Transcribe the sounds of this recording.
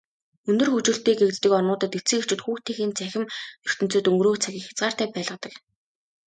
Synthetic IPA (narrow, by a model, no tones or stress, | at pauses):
ɵnd̪ɵ̆rxɵt͡ɕɵ̆ɬt̪eːɡekt̪t̪ːɘ̆kɔnʊːt̪ə̆t̪et͡sɘ̆ket͡ɕɪ̆t̪xuːxt̪ʰexiːnt͡sʰæxʲɪ̆mnɵr̥t̪ɵ̆n̥t͡sɵːt̪ɵŋɡrɾoːkt͡sʰaɣʲiːŋxʲḁt͡sɢaːr̥t̪æːpæːɮʁə̆t̪ə̆k